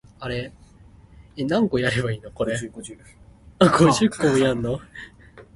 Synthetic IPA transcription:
aɾe | enãŋɡojaɾe̞baiːno̞ko̞ɾe | aɡoʑɨkːojanːo

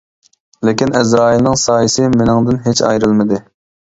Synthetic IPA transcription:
lɪkʲinɛzɾɑːilnɪŋsɑːjisɪmɪnɪŋd̪ɪnɦet͡ʃɑ̰jɾɨlˠmɨd̪ɪ

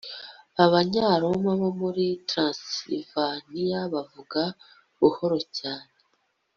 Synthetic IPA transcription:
aβaɲaːɾo̞maβomuɾitɾãsiḭvanijaβavuɡa | βuho̞ɾo̞caːne

